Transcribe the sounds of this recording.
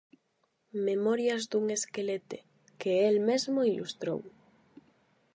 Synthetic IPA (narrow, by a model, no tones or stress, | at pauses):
memɔɾjɐzd̪uŋeskelet̪e | keelmezmoilṵst̪ɾo̰w